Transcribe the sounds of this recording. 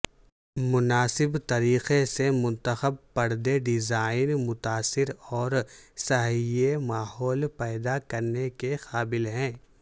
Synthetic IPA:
mʊnaːsɪbt̪ɐɾiːxesemʊ̃nt̪əxəb̚pɐɾd̪eɖɪzaːɪnmʊt̪aːsɪɾɔːɾsɐɦiemaːhɔːlpɛːd̪akɐɾnekexaːbɪlɦɛ̃ː

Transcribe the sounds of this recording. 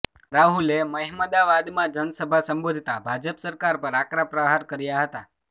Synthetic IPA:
ɾaɦuleməɦməd̪aʋad̪mãd͡ʒənsəbʱasəmbod̪ʱt̪abʱad͡ʒəpsəɾkaɾpəɾakɾapɾəɦaɾkəɾjaɦət̪a

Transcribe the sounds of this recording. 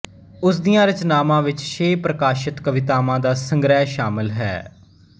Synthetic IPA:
ʊsd̪ijãːɾət͡ʃnaːmãːʋɪt͡ʃʃeːpɾəkaːʃɪt̪kəʋɪt̪aːmãːd̪aːsəŋɡɾɛːʃaːmɪlɦɛ̰ː

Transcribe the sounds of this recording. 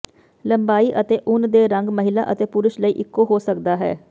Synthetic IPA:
ləmbaːiːʔət̪eːʔʊnd̪eːɾəŋɡməɦɪla̰ːʔət̪eːpʊɾɪʃləiːʔɪkːoːɦoːsək̚d̪aːɦɛ̰ː

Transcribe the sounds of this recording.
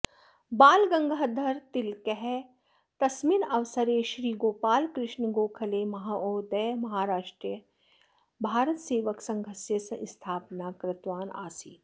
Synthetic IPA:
baːlɡɐ̃ŋɡʱaːd̪ʱɐɾt̪ɪlkɛɦɛ | t̪ɐsminɐʋsəɾeʃɾiːɡoːpaːlkɾɪʃnɡoːkʰɐleːmɐɦaoːd̪əmɐɦaːɾaːʃʈɾijə | bʱaːɾət̪seːʋəksɐ̃ŋɡʱəsjəsɐʔɪst̪ʰaːpnakɾɪt̪ʋaːna̰ːsiː

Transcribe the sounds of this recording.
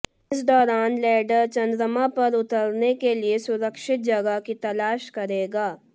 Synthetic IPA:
ɪs̬d̪ɔːɾaːnlɛːɖəɾt͡ʃɐ̃nd̪ɾəmapɐɾʊt̪əɾnekeliesʊɾəkʃɪt̪̚d͡ʒɐɡakit̪ɐlaːʃkɐɾeːɡaː

